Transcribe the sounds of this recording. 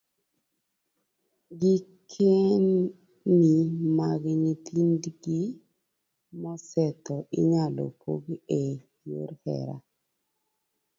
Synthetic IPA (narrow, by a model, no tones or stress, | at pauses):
ɡikʰenː | imaɡnit̪ʰindɡi | mɔsɛt̪ɔʔɪɲalo̰pʰo̰ɡe | jo̰ɾhɛ̰ɾa̰